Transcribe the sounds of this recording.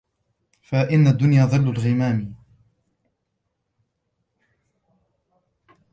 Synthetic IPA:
faʔɪnːad̪ːʊnjaːðˤɨlːʊlɣɪmaːm

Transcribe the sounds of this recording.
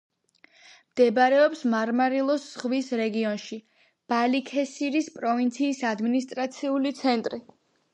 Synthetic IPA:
md̪̥ɛbɾɛɔpsmaɾmaɾilˠɔsːχvisɾɛɡiɔnʃi | b̥alikʰɛsiɾispʼɾɔvint̪sʰiːsad̪minist̪ʼɾat̪sʰiulit̪sʰɛnt̪ʼɾi

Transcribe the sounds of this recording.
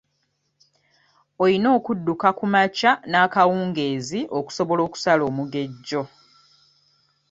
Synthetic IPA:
olino̞ːkudːukakumacanaːkawuːŋɡe̞ːziʔo̞ku̥so̞βolo̞ːku̥salo̞ːmuɡe̞ɟːo̞

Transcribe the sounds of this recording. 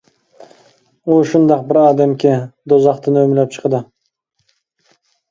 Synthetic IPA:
oʃʊnd̪ɑq̚bɪɾɑːd̪æmkʲed̪ozɑqt̪ənømɪlæp̚t͡ʃʰə̥qd̪ə

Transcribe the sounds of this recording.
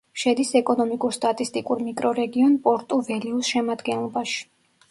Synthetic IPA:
ʃɛd̪isɛkʼɔnɔmikʼuɾst̪ʼat̪ʼist̪ʼikʼuɾmikʼɾɔɾɛɡiɔnpʼɔɾt̪ʼuvɛliusʃɛmad̪ɡɛnlˠɔbaʃi̥

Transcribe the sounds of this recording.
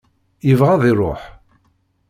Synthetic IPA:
jəvʁaðiɾˤo̰ħ

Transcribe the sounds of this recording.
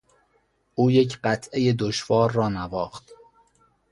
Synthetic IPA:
ʔuːjecʰɢæt̪ʰʔe̞jed̪oʃvɒːɾːɒːnævɒːxt̪

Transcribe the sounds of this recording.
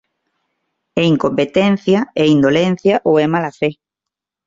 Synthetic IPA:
ɛiŋkompet̪ɛn̟θjɐɛind̪olen̟θjɐʔoɛmalafe

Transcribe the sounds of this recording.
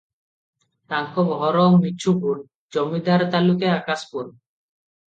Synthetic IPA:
t̪aŋkʰobɦɔɾɔmiʃʰupuɾ | d͡ʑɔmid̪ʱaɾt̪alukeakaspuɾ

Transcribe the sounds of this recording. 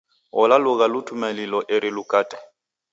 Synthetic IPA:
ʊlalʊɣalʊtʰʼumalilɔʔɪɾɪlʊkʼaːtʼɛ̥

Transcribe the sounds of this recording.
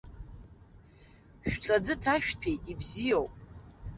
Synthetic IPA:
ʃᶣʈ͡ʂʼad͡zɨtʰaʃᶣtʰe̞jtʼibzijowpʼ

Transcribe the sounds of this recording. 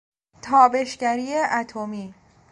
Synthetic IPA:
t̪ʰɒːbe̞ʃɡæɾiːjeʔæt̪ʰomiː

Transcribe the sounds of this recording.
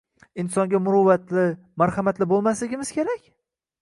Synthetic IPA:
ɪnsɒŋɡʲamʊɾʊːat̪lɪ | maɾhamat̪lɪbolˠmas̬lɪɡʲɪmɪz̥kʲʰeɾakʲ

